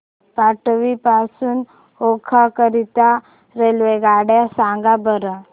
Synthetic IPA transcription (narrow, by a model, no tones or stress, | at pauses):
paʈʋipasuːn | ɦokʰakəɾit̪a | ɾelʋeɡaɽjasaŋɡabəɾə